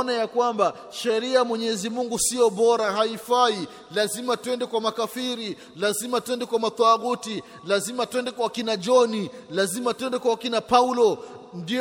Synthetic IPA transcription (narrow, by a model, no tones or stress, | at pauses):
najakwamba | ʃɛɾiamwɛɲɛzimuŋɡusijɔɓɔɾahaifai | lazimatwɛndɛkwamakafiɾi | lazimatwɛndɛkwamat̪aɣuti | lazimatwɛndɛkwakinad͡ʒɔnilazimatwɛndɛkwaakinapaulɔndi